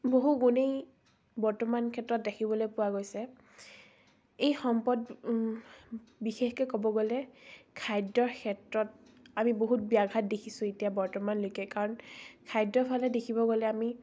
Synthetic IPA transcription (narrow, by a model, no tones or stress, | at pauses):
boɦuɡunej | bɔɹtɔmankʰɛtɹɔt̚dekʰibɔlojpʊwaɡojsɛ | ejxɔmpɔd | bixexkɔkɔbɔɡolɛkʰajdɔɹkʰɛtɹɔt̚ | amiboɦut̚biaɡʱat̚dekʰisʊ̃etijabɔɹtɔmanlojkɛkaɹɔnkʰajdːɔɹpʰalɛdekʰibɔɡolɛami